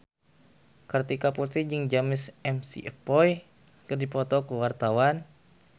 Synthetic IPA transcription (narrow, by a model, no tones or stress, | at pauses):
kart̪ikapurt̪id͡ʒɨŋd͡ʒamɪsɛmsḭʔəpɔj | kərdipɔt̪ɔkuwart̪awan